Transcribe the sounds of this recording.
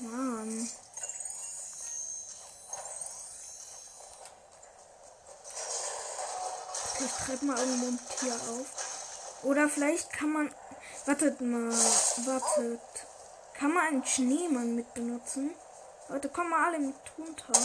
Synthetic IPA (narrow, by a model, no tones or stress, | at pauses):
man | fɪlaɪçttʁ̥aɪptmaːlʔɪɐɡŋ̩tv̥oːntʰiːɐʔaʊfʔoːɾɐfɪlaɪçtkʰanman | v̥aɐtətmaːlvaɐtʰət | kʰanmanaɪnənʃneːmanmɪt̚b̥ənʊt͡sn̩ | hɔʏtəkʰɔməmaːʔaləɪmtʰʁʊntʰa